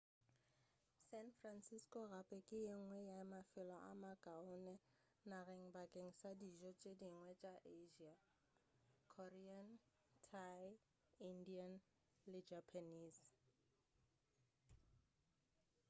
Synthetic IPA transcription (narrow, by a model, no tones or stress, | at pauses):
sɛnfransiskʼɔɣapʼɛkʼɪɪŋ̩ŋwɛjaɪmafɪlɔʔa̰makʼaʊnɛ | nareŋ̩bakʼeŋ̩sadiʒɔt͡ʃʼediŋwɛt͡ʃʼaʔeʒia | kʰɔrian | tʰaj | indian | lɪd͡ʒapʰaniːs